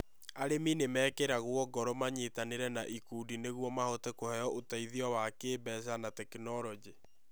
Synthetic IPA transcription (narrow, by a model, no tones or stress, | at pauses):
aɾeminemɛːkɛɾaɣwɔɡɔɾɔmaɲetaneɾɛnaʔikuːdineɣwɔmahotɛkohɛjɔʔotaiðiɔwakeːbɛsanatɛkinɔɾɔd͡ʒi